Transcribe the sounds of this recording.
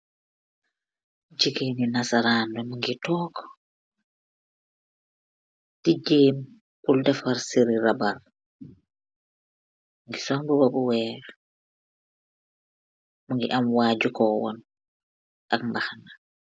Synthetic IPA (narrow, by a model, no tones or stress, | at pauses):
d͡ʒikeninasaɾaːndɔmuŋɡitɔːkɔ̥ | tid͡ʒeːm | ʔuldafaɾsiɾiɾabaɾ | mŋɡisɔmbɔbɔbɔwɛːɾɛ | muŋɡiʔamwaːd͡ʒukɔːwɔ̰n | ʔakmbahana